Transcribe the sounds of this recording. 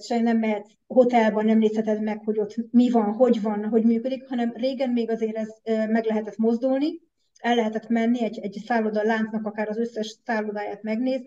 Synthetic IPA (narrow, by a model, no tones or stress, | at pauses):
ʃɛjnɛmlɛɦɛt̪ | ho̞t̪ɛlbɒnːɛmneːshɛt̪ɛd̪mɛkho̞ɟo̞t̪mivɒnɦo̞ɟvɒnɦo̞ɟmyːkød̪ikhɒnɛmreːɡɛnmeːɡɒzeːɾɛzømɛɡlɛɦɛt̪ɛt̪mo̞zd̪ulni | ɛlːɛɦɛt̪ɛt̪mɛnːiɛɟɛɟsaːlːod̪ɒlaːnt̪snɒkɒkaːɾɒzø̞sːɛʃsaːlod̪aːjaːt̪mɛɡneːz